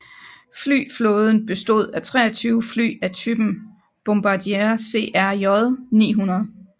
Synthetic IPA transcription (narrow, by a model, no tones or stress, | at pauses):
fly̰ːfloːð̞ˠən̩b̥e̝sd̥o̝ð̞ˠæt͡sʰʁɛ̰ːɐt͡sʰyːʊfly̰ːæt͡sʰyb̥n̩ | b̥omb̥ɑ̈d̥ieɐse̝̰ʔæɐjɒðˠnḭːɦunɐð̩ˠ